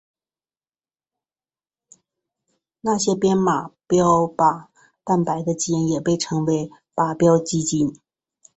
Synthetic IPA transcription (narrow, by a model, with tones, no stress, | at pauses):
na˥˩ɕjɛ˥pjɛ˥nma˨˩pjɑ˥ʊpa˨˩˦ | t̪a˥˩npa˨˩ɪd̪ə˧t͡ɕi˥ɛ˧˥njɛ˨˩pe˥˩ɪʈ͡ʂʰɤ˧˥ŋwe˧˥ɪ | pa˨˩pjɑ˥ʊt͡ɕi˥t͡ɕi˥n